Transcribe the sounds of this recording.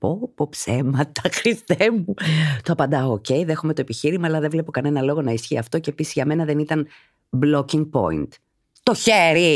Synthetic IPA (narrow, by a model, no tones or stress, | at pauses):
popopsemɐt̪ɐxɾist̪emut̪oɐpɐnd̪ɐoːce̞iðe̞xomet̪o̞epiçiɾimɐːlɐðevle̞po̞kɐne̞nɐlo̞ɣo̞nɐisçiɐft̪o̞ce̞ːpisi̥zʝɐme̞nɐðenit̪ɐn | blo̞ciŋɡ̚po̞̰ḭnt̪ | t̪o̞çeɾi